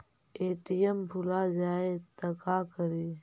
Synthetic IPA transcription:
eːʈijəmbʱʊlaːd͡ʒaːet̪əkaːkəɾeː

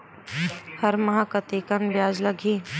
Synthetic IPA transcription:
hɐɾmɐɦakɐt̪eːkənbjaːd͡ʒlɐɡʱiː

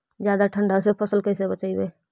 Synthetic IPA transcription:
d͡ʒjaːd̪aʈʰə̃ɳɖʱasepʰəsəlkəɪsebət͡ʃaːibeː

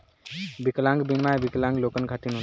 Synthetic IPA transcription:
biklãŋɡbinmajbiklãŋɡlokənkʰat̪inɦu

